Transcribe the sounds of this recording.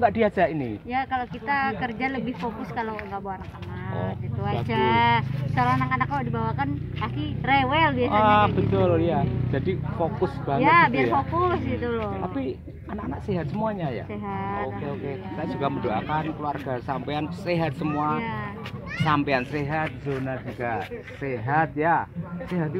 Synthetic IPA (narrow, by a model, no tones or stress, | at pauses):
ŋɡaʔdiasainḭjakalokit̪akərd͡ʒaləbɪhfokʊskalowŋɡaʔboanakanaao̰kɡit̪uaad͡ʒa | saloanakanak̚ːaladibawakanakirewɛlbiaabət̪ʊljad͡ʒadifokʊsbajabiarfokʊsɡit̪ulɔt̪api | anakanak̚seɦat̪̚səmuaɲaja̰seɦaokeokesajad͡ʒuɡamədoa̰kankəluarɡasampeanseɦat̪̚səmua | sampeanseɦat̪̚zonad͡ʒuɡa | seɦat̪̚jaseɦat̪i